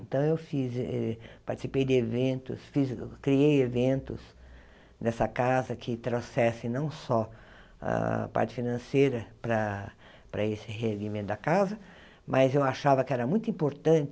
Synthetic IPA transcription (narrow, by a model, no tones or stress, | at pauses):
nt̪ɐ̃w̃ewfizɛpaɾt͡ʃ̪i̥sipejd̪ɪevẽnt̪ʊ̰sfizkɾiejevẽnt̪ʊs | d̪ɛsɐkazɐkʰɪt̪ɾosɛsɪ̃j̃nɐ̃w̃sɔ | ɐ̰pa̰ɾt͡ʃɪ̥finɐ̃sejɾɐpɾɐ | pɾɐesɪɦeɾɡimẽt̪ʊd̪ɐkazɐ | mʔɐzewaʃavɐkɪɛɾɐmũj̃t̪ʊĩmpoɾt̪ɐ̃nt͡ʃɪ